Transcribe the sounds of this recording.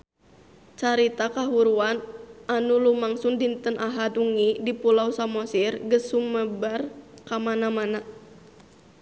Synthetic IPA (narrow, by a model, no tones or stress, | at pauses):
t͡ʃaɾit̪akaɦuɾuananulumaŋsundint̪ənʔaɦad̪uŋidipulausamɔsirɡəsuməbarkamanamana